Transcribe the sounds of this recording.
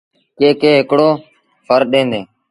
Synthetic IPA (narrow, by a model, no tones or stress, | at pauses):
keːkeːɦɪkɽoː | fəɾɗẽːnd̪eː